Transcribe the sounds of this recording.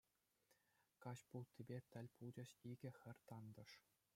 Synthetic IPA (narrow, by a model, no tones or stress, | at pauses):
kɑɕpulˠt̪ʲebʲet̪ʲɘ̆lʲpʰulˠd͡ʑɘ̆ɕiɡʲɘ̆xʲɘ̆rʲt̪ɑnd̪ɤ̆ʂ